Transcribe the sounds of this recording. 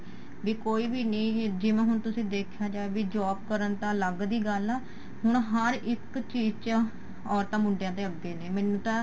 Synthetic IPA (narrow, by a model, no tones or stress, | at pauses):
ʋiːkoːiːbiːnẽːd͡ʒeːmɛ̃ːɦʊɳt̪ʊsĩːd̪eːkʰjaːd͡ʒaːeʋiːd͡ʒaːb̚kəɾənt̪ãːləɡd̪iːɡəlɛː | hʊɳ̃ɦəɾɪkt͡ʃiːd͡ʒt͡ʃ | ɔːɾt̪ãːmʊɳɖjãːt̪̬eːəɡːeːneːmɛ̃ːnũːt̪ãː